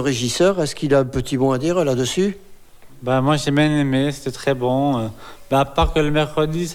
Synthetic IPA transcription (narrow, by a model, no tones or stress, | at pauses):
ʁeʒisœʁɛskilaɛ̃pət̪ibɔ̃ad̪iʁlad̪əsy | bamwaʒebjɛ̃nemeset̪ɛt̪χɛbɔ̃øbɛapaʁkələmɛʁkχəd̪is